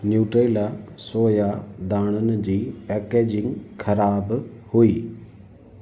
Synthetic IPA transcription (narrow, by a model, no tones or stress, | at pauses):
njuːʈɾeːlasoːjad̪aːɽ̃ənd͡ʑiːpɛːkeːd͡ʑɪ̃ŋɡkʰɐɾaːbhuiː